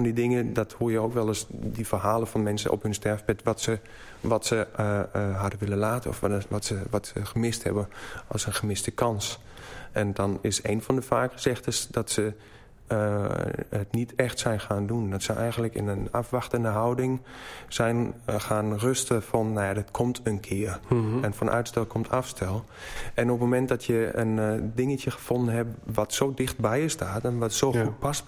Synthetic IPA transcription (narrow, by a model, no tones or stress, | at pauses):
fɔndidɪŋədɔthuəjəowkʋɛlˠəsdifərɦaːlˠəfɔnmɛnsə̰nʔɔ̰phɵnstɛrfpɛtʋɔtsə | ʋɔtsə | ɦadəʋɪlənlaːtəɔ̰fɔtsəʋɔtsəxəmɪsthɛ̰bənɔ̰lˠsənxəmɪstəkʰɑns | ɛndɔnɪsḛːnfɔndəfaːkxəsɛxtəsd̥ɔtsə | ətnitʰɛxtsɛjnxaːndundɔtsəʔɛjɣənləkɪ̰nəna̰fʋaxtəndəɦawdɪŋsɛjnxaːnrøstəfɔnːajadɪtkʰomtʰənkʰɪərɛnfɔnʔœ̰ɥtstɛlˠkʰomtʰafstʰɛlˠ | ɛnopmomɛntdɔtʰjəə̰ndɪŋətjəxə̥fondənɦɛpʋɔtsowdɪxt̚bɛjəstʰaːtɛnʋɔtsoːxut̚pas